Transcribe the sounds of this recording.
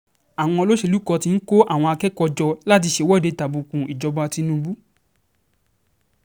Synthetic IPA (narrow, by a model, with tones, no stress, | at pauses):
a˨w̃ɔ̃˧ɔ˧lo˦ʃe˧lu˦kɔ˧ti˧n̩˦ko˦ʔa˦˨w̃ɔ̃˧a˧kɛ˦kɔ˧d͡ʒɔ˧la˦t̬i˧ʃe˧wɔ˦˨de˧˨ta˨bũ˧kũ˨˧i˨d͡ʒɔ˧bɔ˧˦a˧ti˧nũ˦˧bu˦